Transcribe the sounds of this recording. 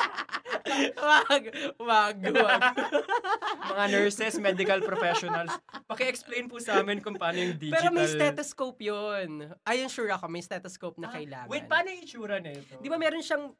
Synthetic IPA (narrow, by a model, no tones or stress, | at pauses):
baɡwaːɡo | mɐŋanɛɹsɛsmɛd̪ɪkɐlpɾofɛʃonɐlspɐkɛʔɛksplejnpʊsɐʔaːmɛnkʊŋpɐaːnojʊŋd̪ipɛːd͡ʒɾomɐjsɛt̪oskowpjonʔajɐnʃuːɾɐɐko̞mɐjst̪ɛt̪oskowp̚nɐkɐɪla̰ːŋwɪpaːnojŋɪt͡ʃuːɾɐnɛd̪ɪbamɛːɾo̞nʃɐŋ